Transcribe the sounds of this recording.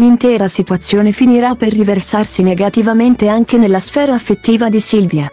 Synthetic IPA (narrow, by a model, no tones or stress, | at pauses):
lint̪ɛːɾasit̪uat̪sːjoːnefiniɾaperːiversarsineɡat̪ivament̪eaŋk̟enelːasfɛːɾaːfːet̪ːiːvad̪isilvja